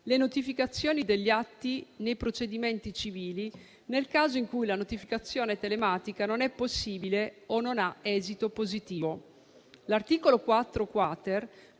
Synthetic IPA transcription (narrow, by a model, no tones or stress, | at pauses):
lenot̪ifikat̪sːjoːnid̪eʎːat̪ːinejpɾot͡ʃed̪iment̪it͡ʃiviːli | nelkaːzoiŋkujlanot̪ifikat̪sːjoːnet̪elemaːt̪ikanonɛpːosːiːbileonːonaɛːzit̪opozit̪iːvo | lart̪iːkolokwat̪ːɾokwat̪er